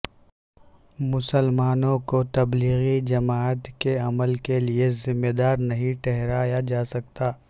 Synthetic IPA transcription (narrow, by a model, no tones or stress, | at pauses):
mʊsəlmaːnõkot̪ɐbliːɣid͡ʒɐmaːət̪keɐməlkeliezɪmːed̪aːɾnɐɦĩʈɛɦɾaːjad͡ʒaːsɐk̚t̪aː